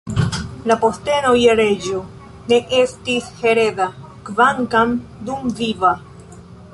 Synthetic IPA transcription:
lapo̞ste̞nojaɾed͡ʒo | ne̞ʔestishe̞ɾe̞ða | kvaŋkamdumviva

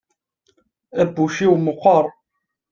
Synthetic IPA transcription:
æbːuʃiwməχʷəɾˤ

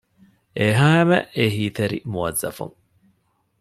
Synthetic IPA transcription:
ʔeɦaːemɐ̰ʔeɦiːt̪eɾḭmuɐzːɐ̰fṵŋ

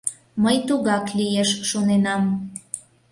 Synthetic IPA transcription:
məjt̪uɣɑklijeʃʃonenɑm

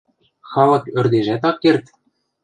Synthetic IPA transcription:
xɑlɤ̆kø̆rd̪eʒæt̪ɑkːert̪

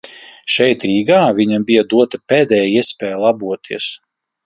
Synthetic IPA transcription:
ʃɛjt̪ɾiːɡaːvʲiɲambʲijad̪uɔt̪apeːd̪ɛːjaiɛspʲɛːjlˠabuɔt̪ʰiɛs

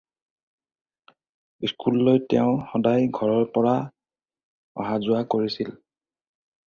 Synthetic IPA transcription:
iskʰulːojtɛʊ̃xɔdajɡʱɔɹɔɹpɔɹa | ɔ̰ɦazʊakoɹisil

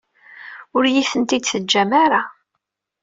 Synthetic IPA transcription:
ʊɾjiθənt̪id̪θəd͡ʒːæmaɾa

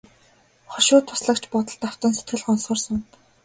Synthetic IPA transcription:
χɔʃʊːt̪ʰːʊ̥sɮə̆kt͡ɕʰpʊt̪ə̆ɮt̪aw̥t̪ə̆nset̪̚ɡɘ̆ɮχɔnsχə̆rsʊm

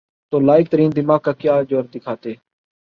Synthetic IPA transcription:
t̪oːlaːɪk̚t̪əɾiːnd̪ɪmaːɡ̚kaːkjaːd͡ʒoːɾd̪ɪkʰaːt̪eː

